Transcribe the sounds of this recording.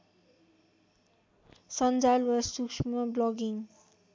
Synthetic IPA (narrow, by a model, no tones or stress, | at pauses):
sʌnd͡zalwasukʃmʌblɔɡiŋ